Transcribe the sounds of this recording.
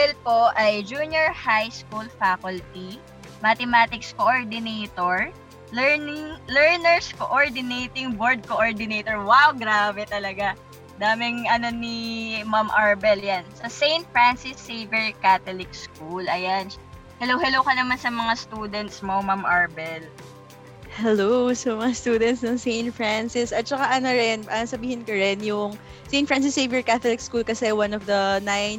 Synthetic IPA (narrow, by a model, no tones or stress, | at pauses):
ɛlpo̞ʔɐjd͡ʒunjoɹhajskulfakʊlt̪i | mɐt̪ɛmaːt̪ɪkskoʔoɹd̪ɪnejt̪oɹ | ɛnɪŋlɛɹnɛɹskoʔoɹd̪ɪnejt̪ɪŋboɹd̪̚koʔoɹd̪ɪnejt̪oɹwawɡɾaːbɛt̪ɐlɐɡa | d̪aːmɪŋɐno̞nimɐmʔɐɹbɛljansɐsejnt̪̚fɹansɪsːevɛɹkat̪olɪk̚skulʔɐjan | hɛlowhɛloːkɐnɐmansɐmɐŋast̪ud̪ɛnt̪̚smomamʔaɹbɛl | hɛlosɐmɐŋast̪uːd̪ɛnt̪snɐŋsejnt̪fɹansɪsʔɐt̪̚t͡ʃɐkaʔɐnoɾɛnʔɐsɐbiːhɪnkoɾɛnjʊŋ | sejn̚fɹans̬ɪsːejvɛɹkat̪olɪk̚skulkɐsɛwanɔfd̪ɐnajn